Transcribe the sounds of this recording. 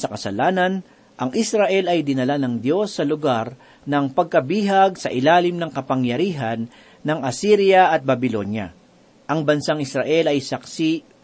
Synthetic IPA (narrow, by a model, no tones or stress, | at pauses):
sɐkɐsɐlaːnɐn | ʔɐŋʔɪsɾɐʔɛlɐjd̪ɪnɐlanɐŋd̪jo̞sːɐlʊɡaɾ | nɐŋpɐɡ̚kɐbiːɦɐɡ̚sɐʔɪlaːlɪmnɐŋkɐpɐŋjɐɾiːɦɐnː | ɐŋʔɐsiːɾjɐʔɐt̪̚bɐbɪlo̞̰njɐ̰ | ʔɐŋbɐnsaŋɪsɾɐʔɛlɐjsɐksi